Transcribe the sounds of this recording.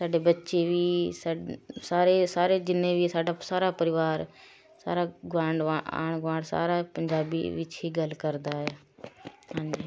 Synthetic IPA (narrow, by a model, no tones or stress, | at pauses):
saːɖebətːʃeʋiːsasaːɾeːsaːɾed͡ʒɪnẽːʋiːsaːɖaːsaːɾaːpəɾɪʋaːɾ | sa̰ːɾaɡaːɳɖʋaa̰ːɳ̃ɡʋãːɳɽsa̰ːɾaːpəɲd͡ʒaːbḭʋɪt͡ʃɦiːɡəlkəɾd̪aːɦɛː | ɦãːɲd͡ʒeː